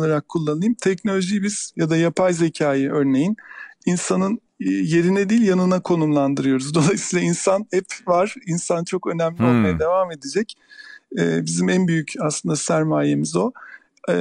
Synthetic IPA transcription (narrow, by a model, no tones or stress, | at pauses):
lˠaɾakʰːulˠːanɯjɯmt̪ʰɛcno̞lʲo̞ʒibiz̥jad̪ajapʰajze̞cʰaːjɯʔøɾne̞jininsanɯn | je̞ɾinɛd̪iːlʲjanɯnakʰo̞numlˠand̪ɯɾɯjo̞ɾuzd̪o̞lˠajsiːlˠainsanɛpvaɾ̥insant͡ʃʰo̞kø̞næmlʲio̞lˠmajad̪e̞vame̞d̪ed͡ʒɛc | ɛːbizimænbyjycaslˠɯnd̪asæɾmaːje̞mizo̞